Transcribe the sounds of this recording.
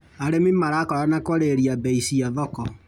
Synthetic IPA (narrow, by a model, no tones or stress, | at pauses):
aɾemimaɾakɔɾanakɔɾeɾiabeisiaðɔkɔ